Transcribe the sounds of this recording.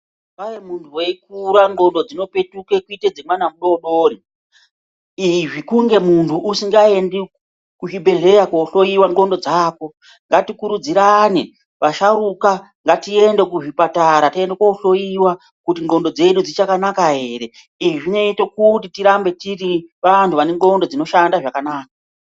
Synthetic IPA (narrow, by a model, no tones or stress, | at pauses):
paʋemuntʰuweik̚uɾaŋɡo̞ndo̞d͡zino̞pe̞tuke̞kuited͡zimwanamuɗo̞ɗo̞ːri | iʐikuŋɡe̞muntʰuʔusiŋɡae̞ndi | kuʐibʱe̞ɮe̞jakwoɬo̞iwaŋɡo̞ndo̞d͡zaːko̞ | ŋɡatikuɾud͡ziɾane | ʋaʃaɾuka | ŋɡatie̞nde̞kuʐipataɾatendakwouɬo̞jiwa | kutiŋɡo̞ndo̞d͡ze̞ɗud͡zit͡ʃakanakaɦe̞ːɾe̞ | iʐiʐine̞itokutitiɾambe̞tiriʋantʰuʋaneŋɡo̞ndo̞d͡zino̞ʃandaʐakanaːka